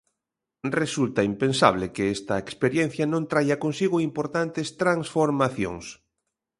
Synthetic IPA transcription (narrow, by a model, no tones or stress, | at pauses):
result̪aimpẽnsa̰β̞lekeest̪ɐekspeɾjẽn̟θjanõnt̪ɾajakonsiɣoimpoɾt̪ant̪est̪ɾaŋsfoɾmaθjo̰ŋs